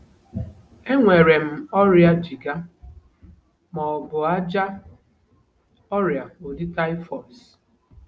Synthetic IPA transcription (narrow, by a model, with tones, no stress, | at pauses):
e˦ŋʷe˨ɾe˨m̩˨ɔ˦ɾja˦d͡ʒi˨ɡa˦ | mɔ˨bʊ˨a˦d͡ʒa˦ | ɔ˦ɾja˨o˨di˦ta˦ɪ˦fɔ˨s